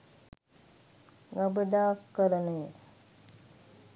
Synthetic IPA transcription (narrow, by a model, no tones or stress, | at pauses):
ɡabəd̪aːkːəɾənəjə